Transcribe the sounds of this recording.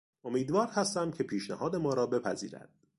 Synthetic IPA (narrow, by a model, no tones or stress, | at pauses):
o̞miːd̪vɒːɾhæst̪æmcʰe̞pʰiːʃnæhɒːd̪e̞mɒːɾɒːbe̞pʰæzḭːɾæ̰d̪̥